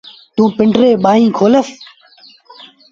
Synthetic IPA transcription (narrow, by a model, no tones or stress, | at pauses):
t̪ũːpɪɳɖɾeːɓaːɦĩːkʰoːləs